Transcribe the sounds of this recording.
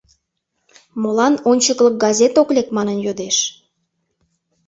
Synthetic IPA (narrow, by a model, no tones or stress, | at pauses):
molɑnonʲt͡ɕəklək̚ɡɑzʲet̪oklʲekmɑnənjod̪eʃ